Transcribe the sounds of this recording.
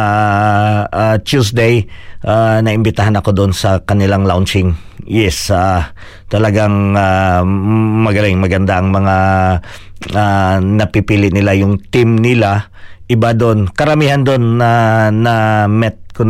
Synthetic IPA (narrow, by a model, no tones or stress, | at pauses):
ʔat͡ʃusd̪ejʔanɐʔɪmbɪt̪aɦanɐko̞d̪onsɐkɐnɪlaŋlawnt͡ʃɪŋ | jɛsa | t̪ɐlɐɡaŋa | mɐɡɐlɪŋmɐɡɐnd̪aʔɐŋmɐŋa | anɐpipiːlɪʔnɪlajʊŋt̪ɪmnɪla | ʔɪbad̪onkɐɾɐmiːhɐnd̪o̞nːɐnɐmɛt̪̚kʊ